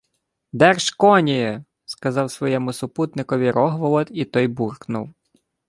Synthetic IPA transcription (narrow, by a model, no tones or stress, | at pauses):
d̪ɛrʃkɔnʲijɛ | skɐzɑwsʋɔjɛmʊsʊput̪nɪkɔʋʲiɾʔɔɦʋɔlˠɔt̪it̪ɔjburknʊ̰w